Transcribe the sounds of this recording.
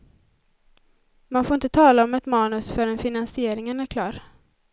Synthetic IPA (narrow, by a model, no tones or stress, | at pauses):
manfoːɪnt̪ət̪ʰɑːlaɔmɛt̪mɑːnɵsfœɾɛnfɪnansɪeːɾɪŋənæɾkʰlɑːɾ